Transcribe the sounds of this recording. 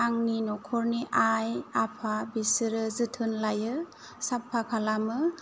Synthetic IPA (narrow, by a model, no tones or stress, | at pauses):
aŋninɔkʰɔɾniʔajapʰabisɯɾɯzɯtʰɯnlajɯ | sapʰːakʰalamɯ